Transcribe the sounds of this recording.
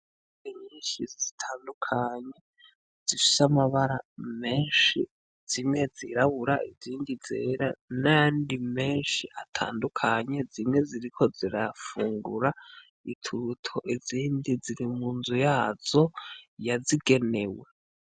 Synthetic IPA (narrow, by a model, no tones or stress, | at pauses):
iɲiːnʃizitʰaːndukʰaɲe̞ | z̥ifi̥samaβaɾame̞ːnʃi | z̥imŋe̞ziɾaβuɾaʔiziːndizḛɾanaaːndime̞ːnʃiʔatʰa̰ːndukʰaɲe̞zimŋe̞ziɾikʰo̞ziɾafuːŋɡṵɾa | itʰuɾutʰo̞ʔiziːndiziɾimuːnzujaːz̥o̞jaziɡe̞ne̞we̞